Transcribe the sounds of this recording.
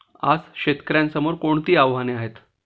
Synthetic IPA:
a̰skɕet̪kɾjãnsəmoɾkoɳt̪iːaʋɦaneaɦet̪

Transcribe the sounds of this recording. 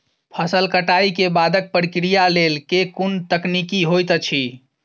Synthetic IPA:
pʰəsəlkəʈaikebad̪ək̚pɾikɾijalelkekunt̪əknikiɦojt̪t͡ʃʰi

